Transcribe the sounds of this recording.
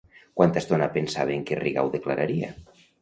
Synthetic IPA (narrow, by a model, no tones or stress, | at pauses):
kwant̪ast̪onapensaβeːŋkeriɣa̰wðeklaɾaɾia̰